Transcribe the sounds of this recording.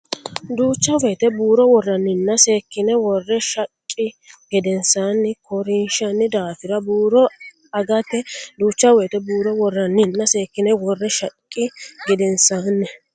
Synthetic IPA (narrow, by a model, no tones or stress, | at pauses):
d̪uːt͡ʃːɐwɛt̪ɛbuːɾɔwɔrːɐnːɪnːɐse̞ːkːɪnɛwɔrːɛʃɐkʼːɪ | ɡ̥ɛd̪ɛnsaːnːɪkʰɔɾɪnʃɐnːɪd̪aːfɪɾɐbuːɾɔ | ɐɡɐt̪ːɛd̪uːt͡ʃːɐwɛːt̪ɛbuːɾɔwɔrːɐnːɪnːɐse̞ːkːɪnɛwɔrːɛʃɐkʼːɪɡɛd̪ɛnsaːnːɛ